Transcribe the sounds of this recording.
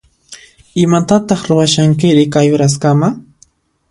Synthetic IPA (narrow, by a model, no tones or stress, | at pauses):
ɪmat̪at̪ɑχɾʊwaʃaŋkɪɾɪkajʊɾas̬kama